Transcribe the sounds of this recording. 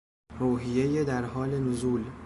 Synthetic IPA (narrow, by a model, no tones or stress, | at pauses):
ɾoːɦije̞jed̪æɾɦɒːlenozuːl